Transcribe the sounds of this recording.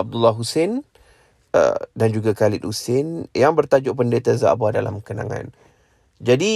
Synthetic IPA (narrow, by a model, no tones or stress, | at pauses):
ab̚dulːaɦusen | ə̰dand͡ʒuɡakalɪt̪̚husenjaŋbərt̪ad͡ʒʊʔpəndet̪aza̰ʔbada̰la̰mkənã̰ŋã̰n | d͡ʒadi